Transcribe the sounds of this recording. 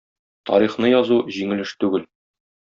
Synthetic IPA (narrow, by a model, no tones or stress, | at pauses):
t̪ɒ̰ɾiχnɤjɒzuʑiŋɘ̆lɘʃt̪ʉɡɘl